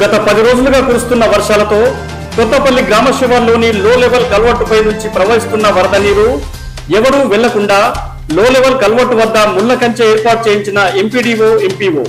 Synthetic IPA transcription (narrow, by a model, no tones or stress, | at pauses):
ɡɐt̪ɐpɐd̪iɾo̞ːd͡ʒuluɡaːkuːɾust̪unːɐʋɐɾʂaːlɐt̪o̞ː | kɔt̪ːɐpɐlːiɡɾaːmɐʃiʋɐɾlo̞ːniloːleʋɐlkɐlʋɐʈːupɐjnuɲt͡ʃipɾɐʋɐɦist̪unːɐʋɐɾɐd̪ɐniːɾu | ɛʋɐɾuʋɛɭːɐkuɳɖaː | loːleʋɐlkɐlʋɐʈːuʋɐd̪ːɐmulːɐkɐɲt͡ʃɐeːɾpaːɾʈ̚t͡ʃe̞ːjiɲt͡ʃinɐempiːɖiːʋoːempiːʋo̰ː